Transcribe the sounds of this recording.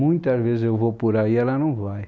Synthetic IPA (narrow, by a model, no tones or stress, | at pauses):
ũj̃t̪ɐzvezɪzewvopuɾaiɛlɐnɐ̃w̃vaj